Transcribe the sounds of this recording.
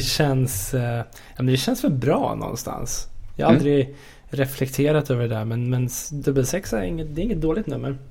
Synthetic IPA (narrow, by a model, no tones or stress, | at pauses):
ɛɕɛns | jɑːmɛnd̪ɛɕɛnsfœbɾɑ̰ːnɔ̰nst̪ʰa̰nsjɑ̰haald̪ɾɪ | ɾɛflɛkt̪ʰeːɾat̪øːvəɖɛd̪æɾmɛnmɛnd̪ɵbəlsɛksæɾɪŋːət̪d̪ɛɪŋːət̪̚d̪oːlɪɡt̪nɵmːəɾ